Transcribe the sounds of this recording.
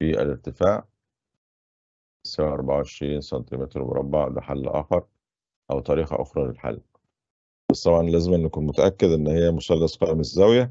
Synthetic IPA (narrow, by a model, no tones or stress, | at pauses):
fiʔæ̰leɾt̪ɪfaːʕ | sæʕaʔɑɾˤbaʕaʕeʃɾiːnsɑnt̪imet̪ɾmo̰ɾˤɑ̰bːɑʕd̪æ̰ħalːʔæ̰ːxɑɾˤ | ʔæwt̪ˤɑɾiːxæ̰ʔo̰xɾˤɑlelħa̰lː | b̥ɑsˤt̪ˤɑbʕɑnlæːzemʔenːækuːnmʊt̪æʔækːed̪ʔenːhejːæmosælːɑsˤqɑːmezːæwjæ